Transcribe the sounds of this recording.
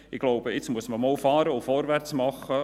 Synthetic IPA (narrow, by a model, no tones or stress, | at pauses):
ɪɡloʊbəɪt͡smuəsməmoːlfɑːɾəʊfɔɾvært͡smɑχə